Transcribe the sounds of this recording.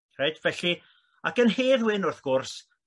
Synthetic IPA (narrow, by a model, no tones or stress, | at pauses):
rejdvɛɬi | akənɦeːðwɪnʊrθɡ̥ʊrs